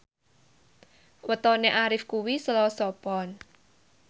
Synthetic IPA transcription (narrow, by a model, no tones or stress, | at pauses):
wət̪ɔneʔaɾɪfkuwisəlɔsɔpɔn